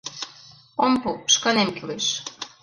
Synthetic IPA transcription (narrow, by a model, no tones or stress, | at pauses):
ompuʃkɑnemkileʃ